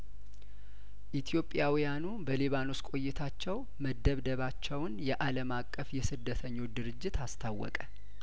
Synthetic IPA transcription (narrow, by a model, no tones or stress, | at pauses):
ʔit̪ʰijo̞pʼːjawijanubəliβano̞skʼo̞jːɛt̪ʰat͡ʃːɛw | məd̪ːəβd̪əβat͡ʃːɛwnjɛʔaləmakʼːəfjɛsɨd̪ːət̪ʰəɲːo̞t͡ʃd̪ɨɾɨd͡ʒːɪt̪ast̪ʰawːɔ̰kʼə